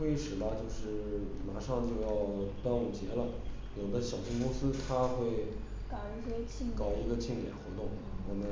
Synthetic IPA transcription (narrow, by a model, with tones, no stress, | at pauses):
we˥˧˩ʂɻ̩˨˩bɐ˧t͡ɕjo˥˧ʊʂɻ̩˥˩ma˧˥ʂɑ˥˧ŋt͡ɕjo˥˧ʊjɑ˥˧ʊt̪a˥nwɔ˨˩t͡ɕjɛ˧˥lə˧ | jo˨˩ʊd̪ə˦ɕjɑ˨˩ʊɕʰi˥˧ŋkʊ˥ŋsɹ̩˥t̪ʰa˥xwe˥˩ɪ | ka˨˩ə˧˥ʂe˥t͡ɕʰi˥˩kɑ˨˩ʊi˧˥ɡə˧t͡ɕʰi˥˩ŋljɛ̰˨˩nxwɔ˧˥t̪ʊ˥˩ŋwɔ˨˩mə˦